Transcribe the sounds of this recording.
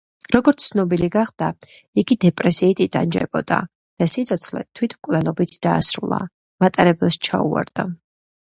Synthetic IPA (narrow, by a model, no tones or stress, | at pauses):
ɾɔɡɔɾt̪sʰsnɔbiliɡaχd̪̥a | iɡid̪ɛpʼɾɛsiːt̪ʼid̪̥a̰nd͡ʒɛ̰b̥ɔ̰d̪a̰ | d̪̥asit̪sʰɔt̪sʰχlɛ̰t̪ʰwit̪ʰmkʼvlɛnɔbit̪ʰd̪aːsɾṵlˠa̰ | mat̪ʼaɾɛbɛlst͡ʃʰa̰ṵa̰ɾd̪̥a